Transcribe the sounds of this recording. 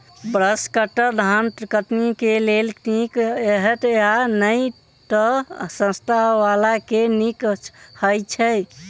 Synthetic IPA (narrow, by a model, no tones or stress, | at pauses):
bɾəskəʈəɾd̪ʱant̪kət̪nikelelʈ̪ĩkeɦət̪eɦanəj | t̪ɔsə̃st̪ʰaɦʋalakenikhəjt͡ʃʰɛ